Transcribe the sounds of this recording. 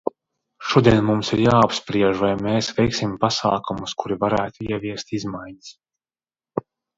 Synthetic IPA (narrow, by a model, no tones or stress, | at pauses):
ʃuɔd̪iɛnmumsiɾjaːapspɾiɛʒvajmeːsvɛjksimpasaːkumuskʰuɾivaɾæːt̪uiɛviɛst̪izmajɲis